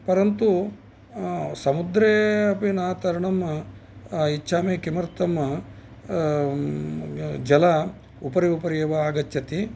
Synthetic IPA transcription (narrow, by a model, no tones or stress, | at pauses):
pɐɾɐnt̪u | sɐmud̪ɾeːɐpinaːt̪ɐɾɐɳɐm | it͡ʃːʃʰaːmeːkimɐɾt̪ɐmɐ | d͡ʒɐla | upɐɾiupɐɾjɐʋɐaːɡɐtːjɐt̪i